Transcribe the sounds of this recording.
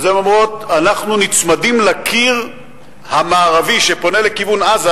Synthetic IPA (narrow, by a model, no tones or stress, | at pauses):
zemamʁo̞tanaχnunit͡smadimlakʰiʁ | hamaːʁaviʃe̞po̞nele̞kivunaza